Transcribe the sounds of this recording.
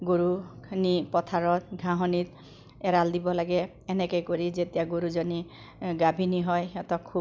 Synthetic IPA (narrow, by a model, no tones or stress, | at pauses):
ɡoɾunipɔt̪ʰaɹɔt̪̚ɡʱãɦɔnit̪ | eɾald̪ibɔlaɡɛː | nekɔjkoɾid͡ʒet̪jaɡoɾud͡ʒɔni | ɡabʱiniɦɔjɔt̪ɔkʰu